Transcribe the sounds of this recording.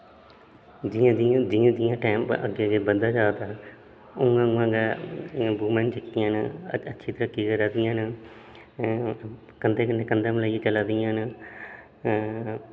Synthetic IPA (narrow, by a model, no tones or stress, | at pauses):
d͡ʒɪãd͡ʒ̃d͡ʒɪjãːd̪ɪjãːʈɛːmpə̰ɡeːɡeːbənd̪aːd͡ʒaːt̪aː | ʊŋɡãːŋãːɡeːbuːmɛ̃ːnt͡ʃəkːɪjãːnətːʃʰiːt̪əɾaːkiːɡəɾaːd̪ɪjãːnə | kənd̪eːkənːeːkənd̪ãmlaːet͡ʃəlaːd̪ɪjãːnə